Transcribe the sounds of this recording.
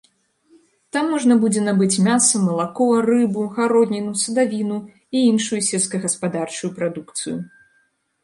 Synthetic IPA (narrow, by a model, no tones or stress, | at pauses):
t̪amːɔʐnɐbud͡zʲɛnabɨt͡sʲmʲasɐmɐlˠakɔɐrɨbuɣaɾɔd̪ʲnʲinusɐd̪avʲinu | iinʂujusʲɛlʲskɐɣɐspad̪art͡ʂujupɾad̪ukt̪sɨ̰jṵ